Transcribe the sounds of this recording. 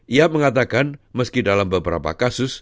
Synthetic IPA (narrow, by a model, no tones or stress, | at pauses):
ʔiaməŋat̪akanməskidalambəbəɾa̰pa̰kasʊs